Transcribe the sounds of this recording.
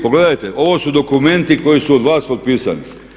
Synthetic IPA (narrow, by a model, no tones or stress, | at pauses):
poɡle̞d̪ajt̪eʔo̞ʋo̞ːsud̪o̞kume̞nt̪iko̞jisuod̪ʋaːspot̪̚piːsa̰ni